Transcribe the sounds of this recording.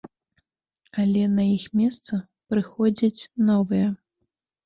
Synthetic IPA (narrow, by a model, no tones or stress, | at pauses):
ɐlʲɛnɐjixmʲɛst̪sɐ | pɾɨxɔd͡zʲɐt͡sʲnɔvɨjɐ